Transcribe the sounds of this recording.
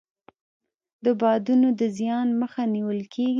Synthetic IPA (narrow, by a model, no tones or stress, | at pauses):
d̪əbɑd̪unod̪əzjɑnməxaniwəlkʰeɡ